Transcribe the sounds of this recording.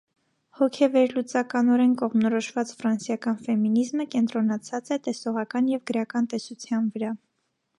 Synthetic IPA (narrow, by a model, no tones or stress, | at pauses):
hɔkʰɛvɛɾlut͡sɑkɑnɔɾɛnkɔʁmnɔɾɔʃvɑt͡sfɾɑnsjɑkɑnfɛminizməkɛnt̪ɾɔnɑt͡sʰɑt͡sɛt̪ɛsɔʁɑkɑnjɛvɡəɾɑkɑnt̪ɛsut͡sʰjɑnvəɾɑ